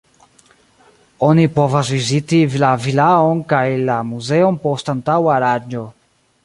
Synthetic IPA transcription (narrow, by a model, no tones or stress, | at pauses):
onipovazvizitilavilaonkajlamuzeonpostantawaɾad͡ʒo